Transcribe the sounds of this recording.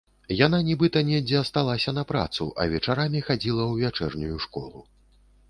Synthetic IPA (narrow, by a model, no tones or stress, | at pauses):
jan̪anʲɛbɨt̪ɐnʲɛd͡zʲɛɐst̪alˠasʲɐnɐpɾa̰t̪sṵʔɐ̰vʲɛt͡ʂaɾamʲixad͡zʲilˠɐwvʲat͡ʂɛrnʲujuʂkɔ̰lˠu